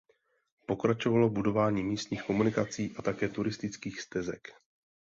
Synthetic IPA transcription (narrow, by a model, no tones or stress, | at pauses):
po̞kɾat͡ʃo̞valo̞budo̞vaːɲiːmiːst̪ɲiːxko̞munɪkat͡siːʔat̪akɛːt̪uɾɪst̪ɪt͡skiːxst̪ɛzɛ̰k